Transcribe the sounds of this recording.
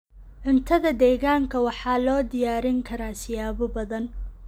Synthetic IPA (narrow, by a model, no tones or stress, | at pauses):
ʕʊnt̪ʰɐðɐd̪ɛːɣaːŋkʰɐwɑħɑːlɔːd̪ɪjaːɾɪŋkʰɐɾaːsɪjaːβʊbɐðɐn